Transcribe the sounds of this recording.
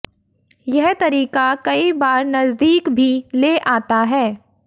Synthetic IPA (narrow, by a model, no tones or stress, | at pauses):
jɛɦt̪ɐɾiːkakɐibaːɾnɐzd̪iːkbʱileʔaːt̪aɦɛː